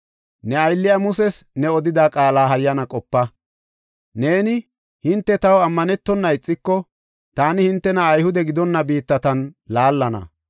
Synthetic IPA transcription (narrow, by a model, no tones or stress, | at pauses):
nɛɐjlːɪjamʊsɛsnɛɔd̪ɪd̪aːkʼaːlaːɦɐjːɐnɐkʼɔpːɐ | ne̞ːnɪ | hɪnt̪ːɛt̪ɐwɐmːɐnɛt̪ːɔnːɐɪt͡sʼːɪkːɔ | t̪aːnɪhɪnt̪ːɛnɐːjhʊd̪ɛɡɪd̪ɔnːɐbiːt̪ːɐt̪ɐnlaːlːɐnɐ̰